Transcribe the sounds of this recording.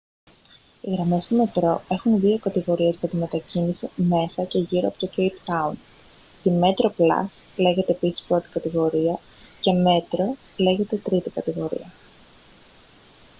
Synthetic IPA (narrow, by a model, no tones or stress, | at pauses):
iɣɾɐme̞st̪ome̞t̪ɾo̞e̞xunðio̞kɐt̪iɣo̞ɾie̞zʝɐt̪ime̞t̪ɐcinisime̞sɐce̞ʝiɾoɐpo̞t̪o̞cejpt̪ɐun | t̪ime̞t̪ɾo̞plɐ̰sle̞ʝe̞t̪e̞ːpisi̥spɾo̞t̪i̥kɐt̪iɣo̞ɾiɐ | ce̞me̞t̪ɾo̞ | le̞ʝe̞t̪e̞t̪ɾit̪ikɐt̪iɣo̞ɾḭɐ